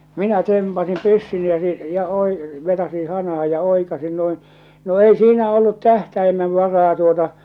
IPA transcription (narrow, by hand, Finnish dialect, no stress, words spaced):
minæ tempɑsim pysːyni jɑ jɑ oi ʋetɑsin hɑnɑh̞ɑ jɑ oikɑsin noin no ei siːnæ olːut tæhtæimeʋ ʋɑrɑː tuotɑ